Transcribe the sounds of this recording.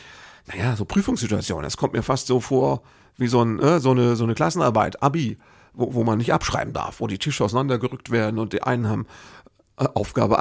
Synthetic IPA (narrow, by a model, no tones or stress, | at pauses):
najaːzoːpʁ̥yːfʊŋsz̥ɪtua̰t͡sjo̰ːn̰ənd̥askʰɔmtmiːɐfastz̥oːfoːɐ | viːzoːnnəzoːnəzoːnəkl̥asn̩ʔa̰ɐba̰ɪtʔabi | voːvoːmanːɪçtʔapʃʁ̥a̰ɪbm̩da̰ɐfv̥oːdiːtʰɪʃəaʊsanandɐɡəʁʏk̚tv̥eːɐdn̩ʊntd̥eiːnʔa̰ɪnənhaːbm̩ | ʔʔaʊfɡ̥a̰ːbə